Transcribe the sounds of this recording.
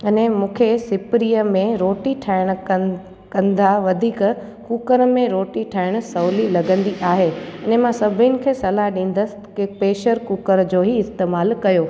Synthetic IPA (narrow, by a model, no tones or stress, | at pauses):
ɐnɛ̃mũːkʰesɪpɾijəmẽɾoːʈiʈʰaɪɽ̃ | kɐ̃nd̪aʋɐd̪ʱiːk | kuːkəɾmẽɾoːʈiʈʰaɪɽ̃ʊ̆sɐːlilɐɡə̃nd̪iʔaːɦeɐnemãsɐbʱɪnɪ̆kʰeːsɐlaɗĩːn̆d̪əsɪ̥kpeːʃəɾkuːkəɾd͡ʑoːɦiɪst̪eːmaːlkɐjoː